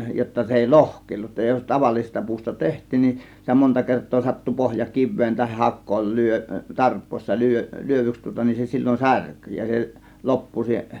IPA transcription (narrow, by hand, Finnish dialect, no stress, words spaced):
jotːɑ se eˑi lohkˑeˑilːut jos tɑʋɑlːisestɑ puːstɑ tehtˑiːn nin sitæ montɑ kertˑoː sɑtːu pohjɑ kiʋːeːn tɑhih hɑkːoːl lyø tɑrpˑoˑisˑɑ lyø lyøʋyks tŭŏtɑ nin se silʲːon særky jɑ se lopːu se